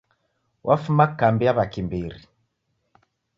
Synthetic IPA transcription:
wʔafumakambijaβakimbiɾi

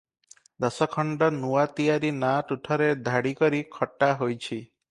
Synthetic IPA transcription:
d̪ɔsɔkʰɔɳɖɔnuwat̪ijaɾinaʈuʈʰɔɾed̪ʱaɽikɔɾikʰɔʈːaɦojt͡ʃʰi

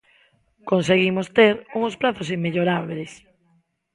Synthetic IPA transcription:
konseɣimost̪eɾuŋospɾaθosimmeʎoɾaβles

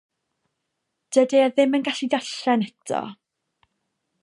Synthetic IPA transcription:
d̥ədiaðɪmənɡaɬidaɬɛnɛtʰɔ̰

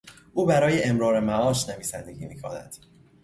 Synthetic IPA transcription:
ʔuːbæɾɒːjeʔemɾɒːɾemæɒːʃne̞viːsænd̪e̞ɟḭːmiːkʰɒ̰ːnæ̰d̪̥

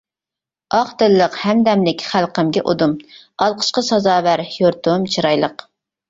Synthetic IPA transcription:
ɑχt̪ɨlˠːəqhɛmd̪ɛmlɪkʲχælqəmɡʲɛʔod̪umɑlˠqʰə̥ʃqəsɑzɑːvæɾjoɾt̪umt͡ʃʰiɾɑjlˠəq

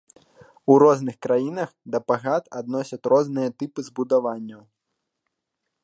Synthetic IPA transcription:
uɾɔznɨxkɾajinɐxd̪ɐpaɣat̪a̰d̪nɔsʲɐt̪ʲɾɔznɨjɐt̪ɨpɨzbud̪avanʲːɐw

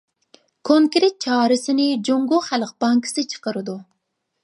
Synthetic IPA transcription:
kʰoŋkɾet̪̚t͡ʃʰɑːɾɨsɪnɪd͡ʒoŋɡoχælq̚b̥ɑŋkʰɪ̥sɨt͡ʃʰə̥qəɾɨd̪u

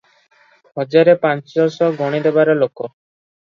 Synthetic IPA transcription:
ɦɔd͡ʒaɾepant͡ʃd͡ʒɔɾsɔɡʱɔɽ̃id̪ebaɾɔlokɔ

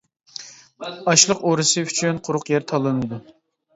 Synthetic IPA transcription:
ɑʃlˠəqoɾɨsɨyt͡ʃʰynqʰʊɾʊqjɛɾt̪ʰɑlˠɨnɨd̪u

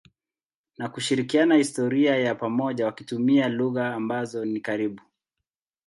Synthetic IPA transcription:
nakuʃiɾikianahistɔɾiajapamɔʄawakitumialuɣaːmbazɔnikaɾiɓu

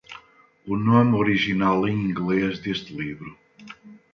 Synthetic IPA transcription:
ʊnomoɾiʒinalˠẽĩŋɡlezd̪est̪ɪliβɾʊ

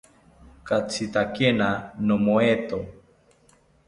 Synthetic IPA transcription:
kat͡sʰit̪akenanomoet̪o

